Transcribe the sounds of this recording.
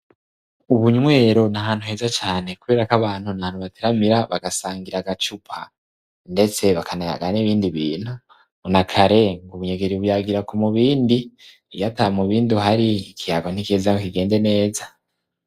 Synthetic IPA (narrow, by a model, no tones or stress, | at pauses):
uβuɲŋwe̞ːɾo̞naɦaːn̥huhe̞ːzat͡ʃaːne̞kuβeːɾakaβaːn̥hunahaːn̥huβateɾamiɾaβaɡasaːŋɡiɾaɡat͡ʃupʰa | nde̞t͡se̞βakanaja̰ɡaniβiːndiβḭːn̥hu | nakʰaɾe̞ŋɡuβuɲeɡeɾiβujaɡiɾakomuβiːndi | jatamuβiːnduɦaɾiːkʰijaɡon̥ikezaŋokiɡe̞ːnde̞ne̞ːza